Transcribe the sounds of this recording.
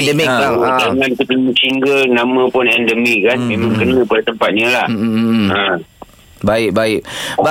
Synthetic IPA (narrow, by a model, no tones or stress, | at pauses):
ɛndəmiklaaŋant̪ukəɲt͡ʃiŋɡəlnamə̃pʊnɛndəmikanmemãmkənə̃padat̪əmpat̪̚ɲəlah̩ə | baɪk̚baɪk̚ba